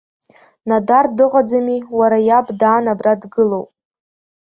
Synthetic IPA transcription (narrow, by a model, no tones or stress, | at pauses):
nadardɨqʼad͡zamiwaɾajabdaːnabradɡɨlowpʼ